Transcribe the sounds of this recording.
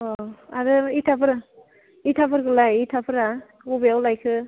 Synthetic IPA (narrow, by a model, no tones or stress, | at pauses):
ɔaɾɯitʰapʰɯɾa | itʰapʰɯɾkɯlajitʰapʰɯɾa | ubijawlajkʰɯ